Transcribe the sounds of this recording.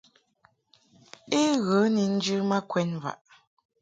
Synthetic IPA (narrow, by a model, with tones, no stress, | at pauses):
e˦ɣə˨˦ni˨n̩˦d͡ʒɨ˦ma˦kwɛ˦nva̰˨ʔ